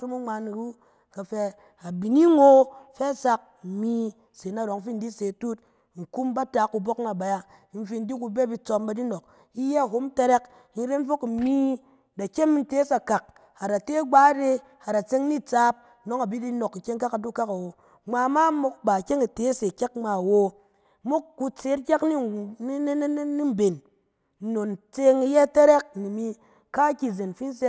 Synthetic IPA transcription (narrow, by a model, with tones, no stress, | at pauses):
u˦mu˦ŋ͡ma˧ni˨ɾu˦ | ka˨fɛ˧ | a˨bi˨ni˦ŋo˦fɛ˦sa˧k̩̚˨mi˦ | se˨na˨ɾo˨ŋ˦fi˦n̩˦di˦se˨tu˦t̚ | ŋ̩˨ku˦mba˦ta˨˦ku˨bo˦k̚na˨ba˨ja˦ | n̩˨fi˧n̩˦di˦ku˧be˦bi˦t͡so˧m˦ba˨di˦no˨k̚ | i˦je˦a˨ɦo˦m˦te˦ɾe˦k | ni˦ɾe˦n˦fo˦kmi˦ | da˨kʲe˦m˦n̩˦te˦sa˨ka˨k̚ | a˨ɾa˨te˦ɡ͡baː˦ɾe˧ | ha˨ɾa˨t͡se˦ŋni˦t͡sa˦p̚ | no˦ŋa˨bi˦di˦no˨kːi˨kʲe˦ŋka˦ka˨du˦ka˦ka˨wo˨ | ŋ͡maː˧˦ma˦mo˦kba˨kʲe˦ŋi˨te˨˦se˨kʲa˦k̚ŋ͡ma˨wo˦ | mo˦kkːu˧t͡se˦tkʲa˦kni˦˨˦ne˦ni˦m̩˨be˨n̩˨ | no˨n˨t͡se˦ŋi˧je˦˨te˦ɾɛ˦k̚ni˨mi˧ | ka˦kʲi˧˨ze˨nfi˦n˦s̬e˦